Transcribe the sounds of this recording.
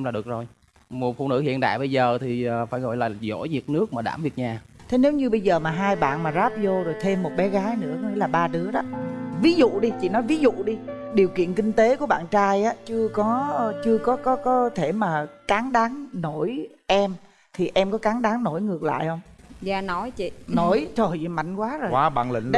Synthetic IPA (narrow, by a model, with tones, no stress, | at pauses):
mlaː˨˩ɗɨ˨˩ək̚zo˨˩j | mo˨˩t̚fṵ˧˩nɨ̰˧˥hḭ˧˨ənɗa̰ː˧˨jɓə˧jzəː˨˩t̪ʰiː˨˩˨faː˧˩jɣɔ̰˧˨jla̰ː˨˩zo̰˧˥jzi˨˩ət̚nɨ˦˥ək̚maː˨˩ɗaː˧˩mvi˨˩ək̚ɲaː˨˩ | t̪ʰe˨˦ne˨˦wɲɨ˧ɓə˧jzəː˨˩maː˨˩ɦaː˧jɓa̰ː˧˨nmaː˨˩zaː˦˥p̚zo˧zo˨˩jt̪ʰe˧mːo˨˩t̚ɓɛ˨˦ɣaː˨˦jnɨ̰˧˥əkɔ˨˦ŋḭ˧˥˦laː˨˩ɓaː˧ɗɨ˨˦əɗɔ˨˦vi˨˦zṵ˧˨ɗi˧t͡ɕḭ˧˨nɔ˨˦jvi˨˦zṵ˧˨ɗi˧ | ɗi˨˩əwkḭ˧˨ənkï˧ŋ̟t̪e˨˦ku˧˩əɓa̰ː˧˨nt͡ɕaː˧jʔaː˨˦t͡ɕɨ˧əkɔ˨˦t͡ɕɨ˧əkɔ˨˦kɔ˨˦kɔ˨˦t̪ʰe˧˩maː˨˩kaː˨˦ŋɗaː˨˦ŋno˧˩j | ʔɛ˧m | t̪ʰi˨˩ʔɛ˧mkɔ˨˦kaː˨˦ŋɗaː˨˦ŋno˧˩jŋɨ˨˩ək̚la̰ː˧˨jhə˧wŋ͡mza̰ː˧˨nɔ˨˦jt͡ɕḭ˧˨no˧˩jt͡ɕo˨˩jma̰˧˨jŋ̟kwaː˨˦zo˨˩waː˨˧˦ɓa̰ː˧˨nlḭ̈˧˨˧ŋ